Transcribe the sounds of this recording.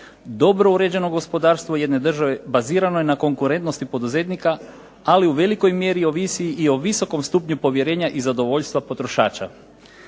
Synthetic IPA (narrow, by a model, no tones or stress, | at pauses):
d̪o̞bɾo̞uɾe̞d͡ʑe̞no̞ɡo̞spo̞d̪aːɾst̪ʋo̞je̞d̪ne̞d̪r̩ʒaʋe̞baziːɾanojenako̞ŋkuɾe̞nt̪no̞st̪ipo̞d̪uze̞t̪nika | aliuʋe̞liko̞jmje̞ɾio̞ʋisiiʔio̞ʋiso̞ko̞mst̪uːpɲupo̞ʋje̞ɾe̞ːɲaʔizad̪o̞ʋo̞ʎst̪ʋapo̞t̪ɾo̞ʃa̰ːt͡ʃa̰